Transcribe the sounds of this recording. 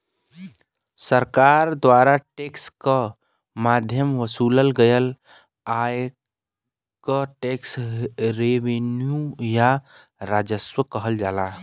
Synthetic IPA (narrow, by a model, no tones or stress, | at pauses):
səɾkaɾd̪waːɾaʈekskə | mad̪ʱjəmʋəsuːləlɡəjəl | aj | kəʈeksɾeʋenjuja | ɾad͡ʒəswəkəɦəld͡ʒaːla